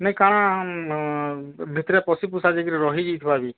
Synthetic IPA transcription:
nẽkaɽ̃ã | bʱit̪ɾepɔsipusad͡ʒekiɾɛɾɔɦid͡ʒit̪ʰibabi

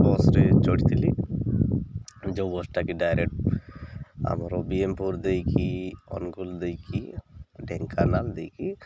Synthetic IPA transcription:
bɔsɾɛt͡ʃɔʈit̪ʰili | d͡ʒowbɔsʈakiɖajɾek̚ʈ̚ | a̰mɔɾɔbiempuɾd̪ejkiɔ̰nɡuld̪ejkʰiɖɛŋkʰanald̪ejki

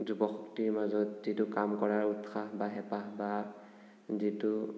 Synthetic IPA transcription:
zubɔxɔktiɹmazɔtz̥itukamkɔɹaɹutxaɦbaɦɛpaɦba | zitu

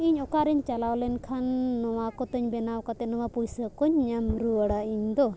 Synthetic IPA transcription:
iɲɔkaɾɛɲt͡ʃalawlɛnkʰanːɔwakɔt̪əɲbɛnawkat̪ɛʔnɔwapujsəkɔɲːəmɾuəɽaiɲd̪ɔ

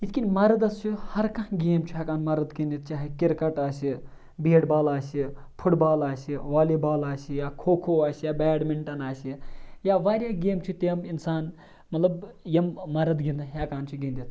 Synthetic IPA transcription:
it̪kʲinʲmɐɾɐd̪ɐst͡ʃʰihɐɾkɐ̃ɦɡeːmt͡ʃʰiakaːnmɐɾɐt̪ɡind̪it̪t͡ʃaːɦikiɾkɐʈaːsi | biːɽbaːlaːsipʰuʈbaːlaːsiʋaːlibaːlaːsijaːkʰoːkʰoːaːsijaːbɛːɽmiɳʈɐnaːsijaːʋaːɾʲjaːɡeːmt͡ʃʰit̪eɐminsaːn | mɐt̪lɐbjɐmːɐɾɐt̪ɡind̪ɐɦaːkaːnt͡ʃʰiɡind̪it̪

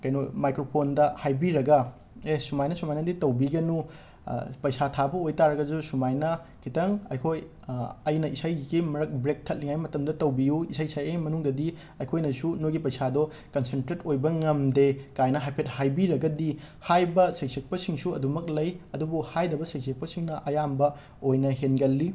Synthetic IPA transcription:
kɐjnomajkɾopʰondɐhajbiɾɐɡɐ | esumajnɐsumajnɐditɐwbiɡɐnṵ | pɐjsatʰabɐojtaɾɐɡɐzusumajnɐ | kʰitɐŋɐ̰jkʰoj | ɐjnɐʔisajɡimɐɾɐk̚bɾek̚tʰɐt̚liŋajmɐtɐmdɐtɐwbijuisajisajejmɐnuŋdɐdi | ɐjkʰojnɐsunojɡipɐjsadɔ | kɐnsentɾetojbɐŋɐmdekajnɐɦajpʰet̚hajbiɾɐɡɐdi | hajbɐsɐjsek̚pɐsiŋsuɐdumɐk̚lɐjɐdubuhajdɐbɐsɐjsʰek̚pɐsiŋnɐʔɐjambɐ | ojnɐɦenɡɐlːi

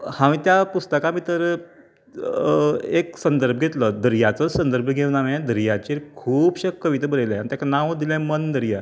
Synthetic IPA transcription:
hãʋĩːt̪japust̪əkãmiːt̪əɾ | eksənd̪əɾbʱəɡʱet̪ləd̪əɾijat͡səsənd̪əɾbʱəɡʱeʋnaʋãd̪əɾjat͡ɕeɾkʰuːbɕəkːəʋit̪ebəɾeljanit̪jaknãʋd̪ilãmənd̪əɾija

